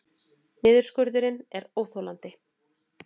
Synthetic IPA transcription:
nɪːðʏɾskœɾðʏɾɪnɛɾoːwθowlant̪ɪ

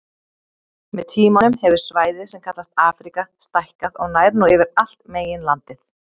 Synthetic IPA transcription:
mɛðt̪ʰiːmanʏmhɛvʏɾ̥svaːjðɪsɛmkʰat̪last̪aːfɾikast̪ajhkaðɔɣnaːjɾnuɛvɪɾal̥t̪meːjɪnlant̪ɪθ

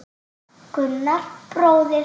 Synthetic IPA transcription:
kʏnːaɾ̥pɾoːwðɪ

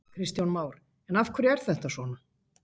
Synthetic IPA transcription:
kʰɾɪst̪jawnmaːwɾ | ɛnafkʰvɛɾɛɾ̥θɛht̪asvɔːna

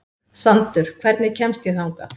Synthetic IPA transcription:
sant̪ʏɾ̥kʰv̥ɛɾt̪nɪcʰɛmst̪jɛθauŋka̰

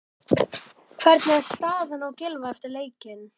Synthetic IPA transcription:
kʰv̥ɛɾt̪nɪɛðst̪aːðɪnawcɪlvaɛft̪ɪɾleːjcɪn

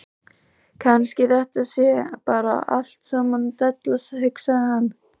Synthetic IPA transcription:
kʰanscɪθɛht̪asjɛpaːɾa̰a̰l̥t̪saːmant̪ɛt̪lashɪksahanː

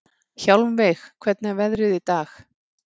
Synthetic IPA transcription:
çawlmveːjxkʰvɛt̪̚nɛvɛðɾɪðit̪aːx

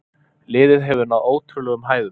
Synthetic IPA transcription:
lɪːðɪðɦɛvʏɾnaðoːwt̪ʰʏlɛɣʏmɦaːjðʏ

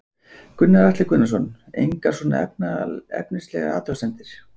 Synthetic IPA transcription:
kʰʏnːaɾaht̪lɪkʰʏnːasɔn | ḛjŋkaɾ̥sɔːna̰ɛ̰p̚naɛ̰pnɪst̪lɛ̰ɣa̰aːt̪ɾasɛnt̪ɪɾ̥

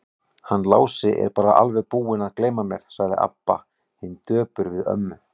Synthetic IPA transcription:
hanːlaːwsɪʔɛ̰ɾpaːɾaʔa̰lvɛðpuːɪnaðkleːjmamjɛɾ̥saɣðɪ̰ʔa̰pːa̰ | hɪnt̪œːpʏɾvɪðœ̰mːʏ

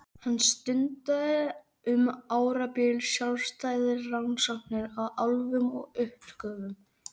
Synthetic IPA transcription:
hanːst̪ʏnt̪aðɪ | ʏmaːwɾapɪlsjalst̪aːjðɪɾːansɔnɪɾaðalvʏmɔ̰ɣʏhpkœːvʏm

